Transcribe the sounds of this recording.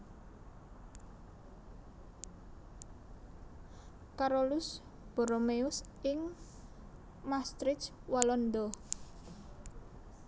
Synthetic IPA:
kaɾolʊs | b̥ɔ̤ɾomeʊs | ɪŋ | mast̪ɾɪt͡ʃwalɔnd̪ɔ

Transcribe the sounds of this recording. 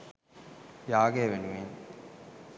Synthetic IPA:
jaːɡeːʋenuʋen

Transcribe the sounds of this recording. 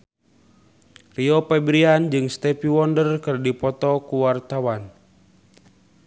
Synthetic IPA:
riɔpɛbɾiand͡ʒɨŋst̪ɛpiwɔndərkɨrdipɔt̪ɔkuwart̪awan

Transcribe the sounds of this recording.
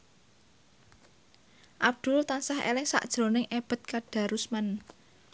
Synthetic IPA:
ʔab̚d̪̥ʊ̤lt̪ansahḛlɪŋsa̰ʔd̥ʒ̥ɾo̤nɪŋʔeb̥ə̤t̪̚kaɖ̥a̤ɾusman

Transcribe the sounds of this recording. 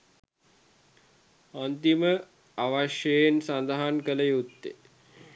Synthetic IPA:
ant̪imə | aʋaʃjəjensand̪aɦankələjut̪ːḛ

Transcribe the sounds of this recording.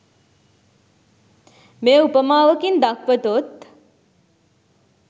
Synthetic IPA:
meːupəmaːʋəkind̪akʋət̪ot̪

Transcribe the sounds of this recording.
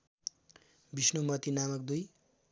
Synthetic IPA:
bisnomʌt̪inamʌk̚d̪uj

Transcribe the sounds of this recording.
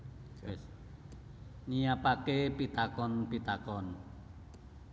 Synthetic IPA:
nijapakepit̪akɔnpit̪akɔn

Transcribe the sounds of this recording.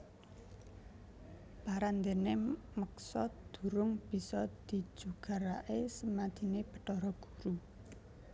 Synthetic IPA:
b̥aɾand̪ene | məksɔd̪̥ṳɾʊŋb̥i̤sɔd̪̥i̤̥d͡ʒʒ̥uɡ̥a̤ɾaʔesəmad̪̥i̤neb̥ə̤̥ʈɔɾɔɡ̥ṳɾu

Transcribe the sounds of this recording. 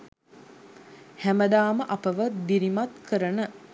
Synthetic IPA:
hæməd̪aːməʔɐpəʋətb̪iɾimat̪kəɾənə

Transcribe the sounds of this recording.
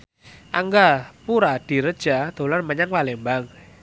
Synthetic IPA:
ʔaŋɡapuɾad̥i̤ɾəd̥ʒ̥ad̪̥o̤larməɲaŋpalɪŋmbaŋ

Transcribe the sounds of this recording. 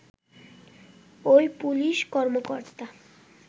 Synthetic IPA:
ojpuliʃkɔɾmokoɾt̪a

